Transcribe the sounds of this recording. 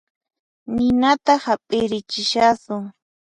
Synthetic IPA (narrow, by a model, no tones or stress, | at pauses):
nɪnat̪ahapʼɪɾɪt͡ʃɪʃasʊ